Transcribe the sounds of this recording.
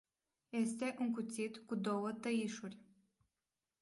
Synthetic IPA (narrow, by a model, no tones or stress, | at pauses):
je̞st̪e̞ʔuŋkut̪sit̪kud̪o̞wət̪əiʃurʲ